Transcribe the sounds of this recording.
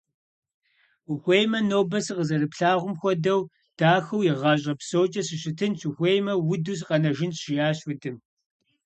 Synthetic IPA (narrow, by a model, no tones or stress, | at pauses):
xʷejmɐnoːbɐsɨqəzɐrɨpɬaːʁʷʊmxʷɔdɐw | d̥aːxɐwjɪʁɑːɕʼɐpsoːt͡ʃʼɐsɪɕɪtʰɨnt͡ʃʰɪxʷejmɐwʊduːs̬qɐnɐʒɪnɕɪjaːɕʊdʰɨm